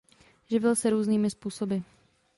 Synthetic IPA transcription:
ʒɪvɪlsɛɾuːzniːmɪspuːsobɪ

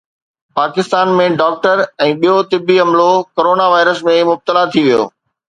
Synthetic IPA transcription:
paːkɪst̪aːnmẽɖɔːk̚ʈəɾɛ̃ːɓijot̪ɪbʱiɐmlokoɾoːnaʋaːɪɾəsmẽmʊb̚t̪əlat̪ʰiʋijo̰ː

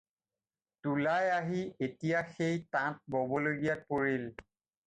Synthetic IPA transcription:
tulajaɦietijaxejtãt̚bobɔloɡijat̚poɹil

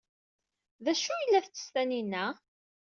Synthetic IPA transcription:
ðæʃujəlːæθt͡sːə̥st̪æninːæ

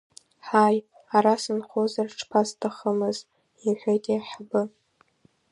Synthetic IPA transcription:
ħaj | aɾasɨnχʷozarʈ͡ʂʰpʰastʰaχəmɨz | iħʷᶣejtʼiħabɨ

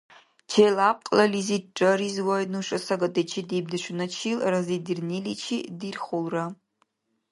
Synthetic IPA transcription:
t͡ʃʰejlap̚qʼlalizit̚ʈ͡ʂʼaɾizwajnuʂʼɐsaɡatʼet͡ʃʰidib̚dɨʃʷnat͡ʃʰilrazidirnilit͡ʃʰḭdirχolra

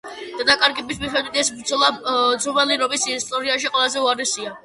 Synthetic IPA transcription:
d̪̥ad̪akʼaɾɡɛbismiχɛd̪wit̪ʰɛsbɾd̪zɔlˠad̪zɔmɛliɾɔbisist̪ʼɔɾiaʃiqʼwɛlˠazɛuaɾɛsia

